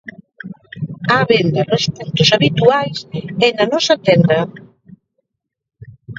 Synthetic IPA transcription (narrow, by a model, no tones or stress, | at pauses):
aβend̪anospunt̪ʊsaβit̪uajsɛnanɔsat̪ɛnd̪ɐ